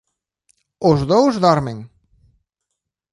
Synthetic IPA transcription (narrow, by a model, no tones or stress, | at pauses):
ozðowzðaɾmeŋ